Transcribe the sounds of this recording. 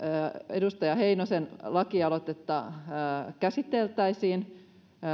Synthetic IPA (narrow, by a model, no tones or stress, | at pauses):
edust̪ɑjɑɦeinosenlɑkiɑlot̪et̪ːɑ | kæsit̪ːelt̪æisiːn